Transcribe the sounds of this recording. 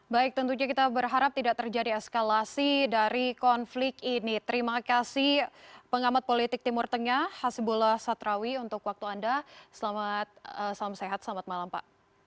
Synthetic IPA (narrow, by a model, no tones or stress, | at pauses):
baɪk̚t̪ənt̪uɲakit̪abərɦaɾap̚t̪idaʔ̚t̪ərd͡ʒadiɛskalasidaɾikɔnflɪkinit̪əɾimakasɪhpəŋamat̪̚polit̪ɪk̚t̪imʊrt̪əŋahasibulahsat̪ɾawiunt̪ʊkwak̚t̪uandasəlamat̪̚əsalamseɦat̪səlamat̪̚malampa̰ʔ